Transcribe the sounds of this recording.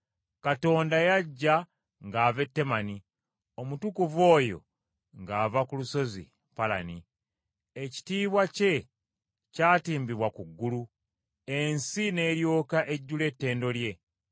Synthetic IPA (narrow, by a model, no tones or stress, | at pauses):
kato̞ːndajaɟːa | ŋɡaːve̞tːe̞mani | o̞mutukuvo̞ːjo̞̰ | ŋɡaːvakuluso̞zḭ | pala̰ni | eci̥tiːβwace̞ | caːtiːmbiβwakuɡːulu | e̞nsine̞ːɾjo̞ːkaʔe̞ɟːule̞tːe̞ːndo̞lje̞